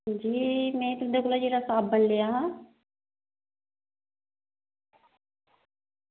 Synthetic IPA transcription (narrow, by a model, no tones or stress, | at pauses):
d͡ʒiːmɛ̃ːt̪ʊɦnd̪eːkʊlaːd͡ʒeːɾaːsaːb̚ːəɳlejaːɦãː